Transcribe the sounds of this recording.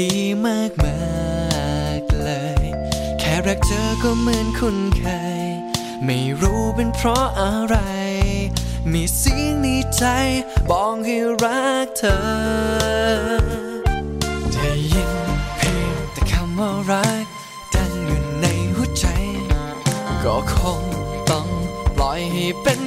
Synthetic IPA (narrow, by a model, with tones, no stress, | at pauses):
iː˨˧˩maː˥˩k̚ma˧˥ | k̚lɤː˧˦j | kʰɛː˧˩ɾa˧˩k̚t͡ɕɤː˧˦kɔː˧˩mɯ˧ənkʰu˧˥˩nkʰa˧j | ma˧˩jɾuː˦˥pe˧npʰɾɔ˦˥ʔa˧ɾa˧j | miː˧˩si˧˥ni˧˥t͡ɕa˧jbɔː˨˧ŋhi˧ɾa˦˥k̚t̪ʰəː˧˦ | da˧˩jːi˧ŋpʰeː˧˩t̪ɛː˨˧˩kʰa˧mːaː˧˩ɾa˦˥k̚ | da˧nju˨˩nːa˧jhuː˥˧˩t͡ɕa˧j | kɔː˧˩kʰo˧ŋt̪ɔ˧˩ŋlɔ˨˧˦ji˧˩pe˧n